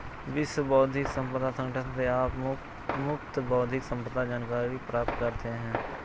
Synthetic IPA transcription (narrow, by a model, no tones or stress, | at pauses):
ʋɪsbɔːd̪ʱɪksə̃mpəd̪aːsə̃ŋʈət̪t̪eːaːp | mʊp̚t̪bɔːd̪ʱɪksə̃mpəd̪aːd͡ʒaːnkaːɾiɾiːpɾaːp̚t̪kəɾt̪eɦɛ̃ː